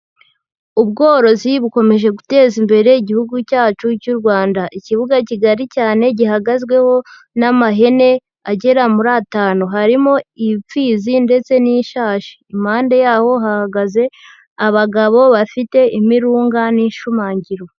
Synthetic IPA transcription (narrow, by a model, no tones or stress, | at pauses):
uβɡo̞ːɾo̞ziβuko̞me̞ʒe̞ɡute̞ːzimbe̞ɾe̞iɟihuɡucaːt͡ʃucuɾɡwaːndaʔiciβuɡaciɡaɾicaːne̞ɟiɦaɡazɡwe̞ho̞ | namaɦe̞ne̞ | aɟe̞ɾamuɾataːnoɦaɾimo̞ip͡fiːzinde̞t͡se̞niʃaːʃi̥ːmhaːnde̞jaːho̞ɦahaɡaze̞ | aβaɡaβo̞βafite̞ʔimiɾuːŋɡaniʃumaːɲɟiɾo̞